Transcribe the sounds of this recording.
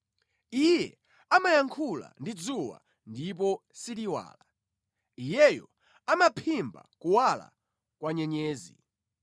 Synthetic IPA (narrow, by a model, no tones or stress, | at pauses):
ijɛ | amajaŋkʰula̰ndid͡zuwa̰ | ndip̬ɔsiliwa̰ːla | ijɛjɔ | amapʰimba̰kuwala̰ | kwaɲɛɲɛːzḭ